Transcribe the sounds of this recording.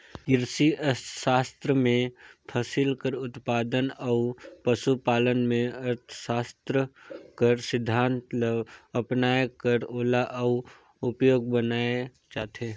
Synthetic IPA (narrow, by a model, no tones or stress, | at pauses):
kɪɾsiəʃaːst̪ɾəmẽpʰəsɪlkəɾʊt̪paːd̪ənəupəsupaːlənmẽɐɾt̪ʰə̥ʃaːst̪ɾəkəɾsɪd̪ʱːãːnt̪ləʋɐpnaːekəɾoːlaʔəu | ʊpjoːɡ̚bənaːe | t͡ʃaːt̪ʰeː